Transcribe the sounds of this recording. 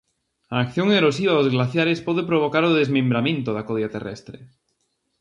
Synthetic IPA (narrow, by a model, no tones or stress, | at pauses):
aːkθjoŋeɾos̬iβ̞aðozɣlaθjaɾespoðepɾoβ̞okaɾoðezmẽmbɾamẽnt̪oðakoðjat̪erḛst̪ɾḛ